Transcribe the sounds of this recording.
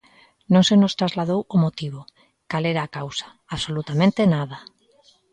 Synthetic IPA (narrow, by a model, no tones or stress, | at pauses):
nõŋsenost̪ɾazlaðowomot̪iβ̞o | kaleɾaːkawsḁ | aβsolut̪amẽnt̪enaða